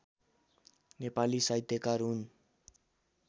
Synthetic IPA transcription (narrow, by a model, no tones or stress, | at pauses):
nepalisajt̪ekaɾun